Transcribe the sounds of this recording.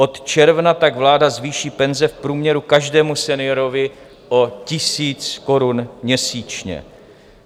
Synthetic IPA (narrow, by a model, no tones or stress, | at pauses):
ʔo̞t̪t͡ʃɛɾvnat̪aɡvlaːdazviːʃiːpɛnzɛfpɾuːmɲɛɾukaʒdɛːmusɛnɪjoɾovɪ | ʔo̞cɪsiːt͡sko̞ɾunmɲɛsiːt͡ʃɲɛ̰